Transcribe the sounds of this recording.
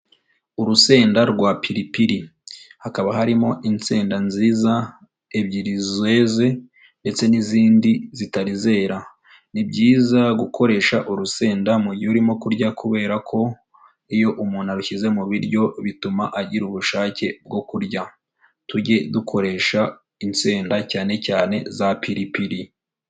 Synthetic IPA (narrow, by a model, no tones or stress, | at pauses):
uɾuse̞ːndaɾɡwapiɾipiɾihakaβaɦaɾimo̞ʔinseːndanziːza | ebɟiɾizwe̞ze̞ | nde̞t͡se̞niziːndizitaɾize̞ːɾa | nibɟiːzaɡukʰo̞ɾe̞ːʃaʔuɾuse̞ːndamuɾɟouɾimo̞kuɾɟakuβe̞ːɾakʰo̞ | ijo̞ʔumuːn̥haɾuçize̞muβiɾɟo̞βitumaʔaɟiɾuβuʃaːce̞b̚ɡo̞kuɾɟa | tuɟe̞dukʰo̞ɾe̞ːʃa | inseːndacaːne̞caːne̞zapiɾipiɾi